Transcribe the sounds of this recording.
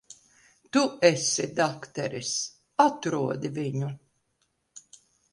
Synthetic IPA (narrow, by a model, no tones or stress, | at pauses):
t̪uɛsid̪akt̪ɛɾis | at̪ɾuɔd̪iviɲu